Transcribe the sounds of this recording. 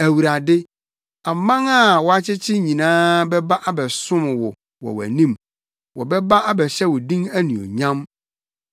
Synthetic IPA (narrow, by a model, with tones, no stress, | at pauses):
æ˨wu˨ɾa˨dɪ˦ | a˨mːã˦ŋa˦˨wɔ˨a˦t͡ɕʰɪ˦t͡ɕʰɪ˦ɲĩ˨nãː˦bɛ˦ba˦ʔa˦bɛ˨sʊ̃˦m˨wɔ˨ | wɔ̰˨wæ̰˨nĩ˦˨m | wɔ˨bɛ˦ba˦ʔa˦bɛ˨ɕɛ˦wɔ˨dĩ˦ŋæ˦nũ˨ɔ̰˨ɲã˦m